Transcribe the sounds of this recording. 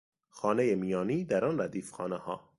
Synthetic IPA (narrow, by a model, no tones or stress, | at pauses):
xɒːnejemijɒːniːd̪æɾɒːnɾæd̪iːfxɒːnehɒː